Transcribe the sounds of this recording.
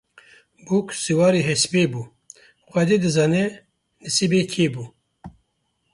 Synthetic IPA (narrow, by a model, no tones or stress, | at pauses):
buksiwɑːɾiːɦɛspeːbuː | xʷɛd̪eːd̪ɨzɑːnɛ | nɨsibekʰeːbuː